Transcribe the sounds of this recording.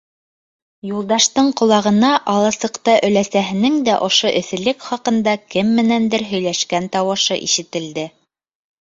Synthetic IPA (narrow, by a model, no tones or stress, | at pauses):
julˠd̪ɑʃt̪ɤɴqŏlˠɑʁɤ̆nɑʔɑlˠɑsɤ̆qt̪ɑʔɵ̆læsæɦɘ̆nɘŋd̪æʔŏʃoʔɵ̆θɘ̆lɘkχɑqɤ̆nd̪ɑkɘmːɘ̆nænd̪ɘɾɦɵ̆jlæʃkænt̪ɑwɤ̆ʃɤ̰ʔiʃɘ̆t̪ɘ̆ld̪ɘ